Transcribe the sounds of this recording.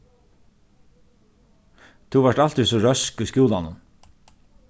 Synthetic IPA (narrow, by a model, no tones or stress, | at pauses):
t̪ʰuvaʈal̥t̪ɪsɔɾœskujskjuːlanʊ̰n